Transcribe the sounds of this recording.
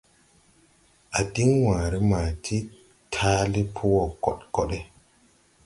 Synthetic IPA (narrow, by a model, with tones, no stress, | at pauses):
ʔa˨di˦ŋwãː˨ɾe˦maː˨tʰi˦ | tʰaː˦li˦pʰu˦wɔ˨kɔ˨ɗkɔ˦ɗe˦